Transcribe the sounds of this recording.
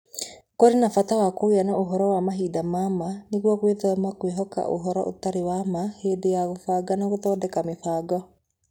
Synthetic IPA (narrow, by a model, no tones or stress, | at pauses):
koɾenafatawakoeanaʔoɦɔɾɔwamaɦiːdamamaneɣwɔkweðɔmakweɦɔka̰ʔo̰ɦɔɾɔ̰ʔo̰taɾewamaheːdejaɣofaːɡanaɣoðɔːdɛkamefaːɡɔ